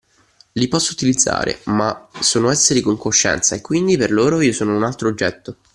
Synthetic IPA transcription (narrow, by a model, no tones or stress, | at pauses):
lipɔsːout̪ilid̪zːa̰ːɾḛmasːoːnoɛsːeɾikoŋkoʃːɛ̰nt̪saekːwind̪iperloːɾoiːosoːnounalt̪ɾod͡ʒːɛt̪ːo